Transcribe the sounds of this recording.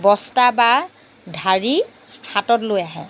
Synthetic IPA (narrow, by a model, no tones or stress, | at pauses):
bɔstaba | dʱaɹi | xatɔtlojaɦɛ̰